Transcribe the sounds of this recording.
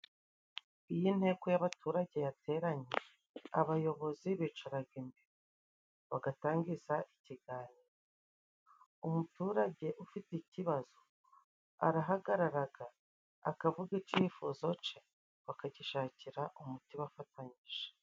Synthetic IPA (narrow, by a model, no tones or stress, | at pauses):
ijin̥he̞ːko̞jaβatuɾaɟe̞jate̞ːɾaɲe | aβajo̞βo̞ziβit͡ʃaɾaɡimbeɾo | βaɡataːŋɡizaʔiciɡaːniːɾo̞ | umutuːɾaɟe̞ʔufiticiβaz̥o̞ | a̰ɾaɦaɡaɾaɾaɡaː | kavuɡit͡ʃifuzo̞t͡ʃe | βakaɟiʃaːciɾaʔumutiwafataɲiʒ̥e̥